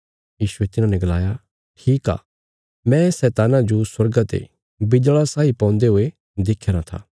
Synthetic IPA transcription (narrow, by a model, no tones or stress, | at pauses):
jiːsuet̪ɪnãnɛɡɐla̰ːja | ʈʰiːka̰ː | mɛ̃sɛːt̪aːnãd͡ʒoswɐɾɡat̪ḛ | bɪd͡ʒɭasaːipɔ̃ːnd̪eɦoe | d̪ekʰːeɾat̪ʰa̰